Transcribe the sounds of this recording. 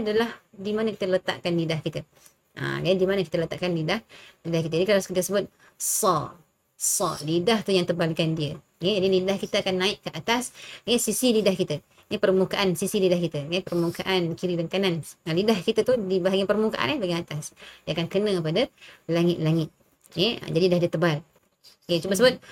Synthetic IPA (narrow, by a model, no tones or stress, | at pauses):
adalahdimanəkit̪ələt̪a̰ʔkanlidahkit̪ə | ʔə̰d͡ʒaidimanəkit̪ələt̪a̰ʔkanlidahlidahkit̪ad͡ʒadikalaskit̪əsəbʊt̪̚ | sɔ | sɔlidaht̪ujaŋt̪ərbalikandiə | ɡad͡ʒadilindahkit̪əakanːaɪʔkəʔat̪asjɛsisilidahkit̪ə | jpərmukaʔansisilidahkit̪əjɛpərmukaʔankiɾidəŋkananalidahkit̪ət̪udibaɦaɡipərmukaʔa̰nbaɡiat̪asdiaakankənəkəpadəlaŋɪt̪̚laŋɪt̪̚ | jɛə̰d͡ʒadidahdiət̪əbal | ket͡ʃubəs̬əbʊt̪̚